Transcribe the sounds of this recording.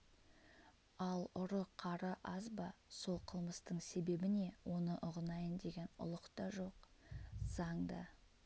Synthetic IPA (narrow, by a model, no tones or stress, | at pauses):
ɑlˠʊɾəqʰɑɾəʔɑzbɑso̞lˠqʰəlˠməst̪əɴse̞be̞bɪne̞wʔo̞nəʔʊʁənɑjənd̪e̞ɡʲe̞nʊ̰lˠəqt̪ɑʒo̞qz̥ɑɴd̪ə̰